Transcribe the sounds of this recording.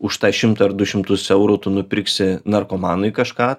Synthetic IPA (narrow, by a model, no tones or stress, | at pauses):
ʊʃt̪ɑːʃʲɪmt̪ɐɐɾd̪ʊʃʲɪmt̪ʊsɛʊɾuːt̪ʊnʊpʲɪɾksʲɪnɐrkoːmɑːnʊɪkɐʃkɑː